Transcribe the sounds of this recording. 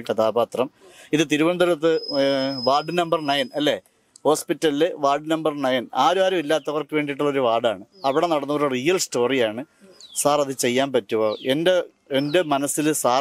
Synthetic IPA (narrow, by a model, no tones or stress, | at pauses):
kɐt̪ʰaːbaːt̪rɐmiðɨt̪̬iɾuʋɐnd̪ɐɾɐt̪ːɨʋaːɖɨnɐmbɐrnɐjɐnɐlːe̞ː | ho̞ːspitːɐlilɨʋaːɖɨnɐmbɐrnɐjɐnaːɾuaːɾɐmilːaːt̪ːɐʋɐrkɨʋe̞ːɳɖiʈːuɭːo̞ɾuʋaːɽaːɳɨɐʋiɽe̞nɐɽɐnːɐʋoɾurijɐlsto̞ːrijaːɳɨ | saːrɐðɨt͡ɕe̞jːaːnpɐtːuʋoːʔende̞ | ende̞mɐnɐsːilɨsaː